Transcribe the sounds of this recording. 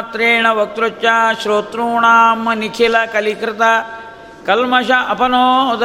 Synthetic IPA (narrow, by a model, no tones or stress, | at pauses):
t̪ɾeːɳ̃ɐʋɐk̚t̪ɾot͡ʃaʃɾoːt̪ɾuːɳ̃aːmɐnikʰeːlakɐlikɾɪt̪a | kɐlmɐʃaʔɐpɐnod̪